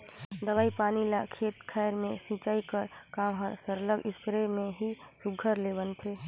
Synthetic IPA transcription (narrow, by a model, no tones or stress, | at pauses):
d̪əbaːipaːnilakʰeːt̪kʰɛːɾmẽsĩːt͡ʃaːikəɾkãːmɦəɾsəɾləɡɪskɾemẽɦisʊɡʱəɾleːbənt̪ʰeː